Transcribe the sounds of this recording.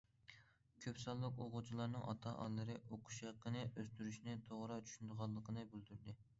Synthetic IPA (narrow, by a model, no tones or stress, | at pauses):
kʲʰøpsɑlˠːəqoqut͡ʃʰilˠɑɾnɨŋɑt̪ʰɑʔɑ̰lːˠɨɾɨʔoqʰu̥ʃeqːənɨʔøst̪yɾyʃnɪt̪ʰoʁɾɑt͡ʃʰy̥ʃynd̪əʁɑlˠːəqʰənɨbyld̪yɾd̪ɪ